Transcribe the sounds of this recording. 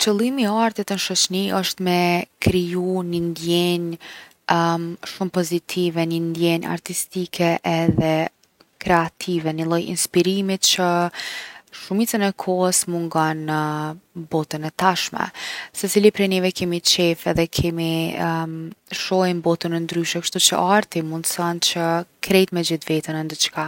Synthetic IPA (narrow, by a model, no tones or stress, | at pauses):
t͡ɕəlˠimiaɾt̪ɛt̪ənʃɔt͡ɕniʔəʃt̪mɛkɾijunind̪jɛɲ | ʃumpɔzit̪ʰivɛnind̪jɛɲa̰ɾt̪ist̪ikʰɛʔɛðɛ | kɾɛat̪ʰivɛnilˠɔjḭnspiɾimit̪t͡ɕə | ʃumit͡sənɛkʰɔhəsmuŋɡanːəbɔt̪ənɛt̪aʃmɛ̰sɛt͡silipɾɛnivɛkɛmit͡ʃɛfɛðɛkʰɛmi | ʃɔinbɔt̪ənɛnd̪ɾyʃɛkʃt̪ut͡ʃə̰ʔaɾt̪imund̪θant͡ɕəkɾɛjt̪mɛd͡ʑiθvɛt̪ənɛnd̪ət͡ʃka